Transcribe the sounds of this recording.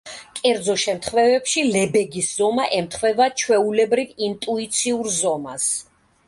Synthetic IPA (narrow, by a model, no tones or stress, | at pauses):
kʼɛɾd̪zɔʃɛmt̪ʰχvɛvɛpʃilɛbɛɡisz̥ɔmaʔɛmt̪ʰχwɛvat͡ʃʰwɛulɛbɾivint̪ʼuit̪sʰiuɾzɔmas